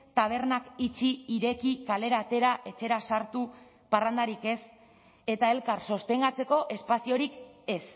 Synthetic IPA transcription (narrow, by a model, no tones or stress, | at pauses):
t̪aβ̞e̞rnakit͡ʃiːɾe̞kikale̞ɾaːt̪e̞ɾaʔe̞t͡ʃe̞ɾasaɾt̪u | parand̪aɾike̞s | e̞t̪ae̞lkaɾso̞st̪e̞ŋɡat͡se̞ko̞ʔe̞spasio̞ɾike̞s